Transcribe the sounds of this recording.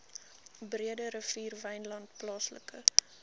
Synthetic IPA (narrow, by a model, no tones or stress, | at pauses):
briədəɾəfiːrvɛjnlɐntplɑːslə̰kə